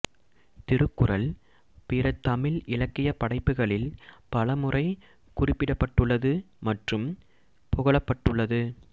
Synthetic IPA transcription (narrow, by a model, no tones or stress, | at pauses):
t̪ɪɾɯkːɯrɐl | pɪɾɐt̪ɐmɪlɪɭɐkːɪjɐpːɐɽɐɪpːɯɣɐɭɪlpɐlɐmɯrɐɪ | kʊrɪpːɪɽɐpːɐʈːɯɭːɐðɯ | mɐʈrɯm | pʊɣɐɭɐpːɐʈːɯɭːɐðɯ